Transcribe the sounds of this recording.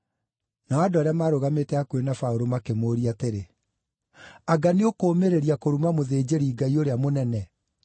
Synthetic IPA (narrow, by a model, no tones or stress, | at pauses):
naɔadoaɾeamaːɾoɣametɛakwenafaoɾomakemoːɾiateɾe | aɡaneokoːmeɾeɾiakoɾumamoðeːd͡ʑeɾiːɡaioɾeamonɛnɛ